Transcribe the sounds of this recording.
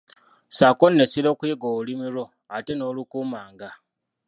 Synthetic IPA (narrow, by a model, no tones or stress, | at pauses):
sakonːesiɾokiːɡoβulimiɾo̞ | ate̞no̞ːlukuːmaːŋɡa